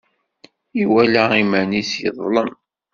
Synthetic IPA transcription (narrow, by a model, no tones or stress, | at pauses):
iwælæimænisjə̰ðˤlən